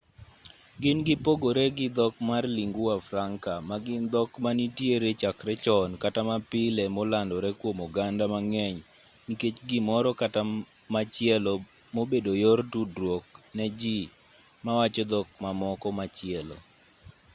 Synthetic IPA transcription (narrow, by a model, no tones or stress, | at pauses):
ɡɪnɡɪpoɡoɾɛɡɪd̪ɔkmarliŋɡʊafɾaŋkamaɡɪnd̪ɔkmanitjeɾet͡ʃakɾɛt͡ʃɔnkatamapɪlɛmolandɔɾɛkwomɔɡandamaŋɛɲ | niket͡ʃɡɪmɔɾɔkata | mat͡ʃɪɛlɔ | mobedojortudɾwok̚nɛd͡ʒi | mawat͡ʃɔd̪ɔk̚mamɔkɔmat͡ʃɪɛlɔ̰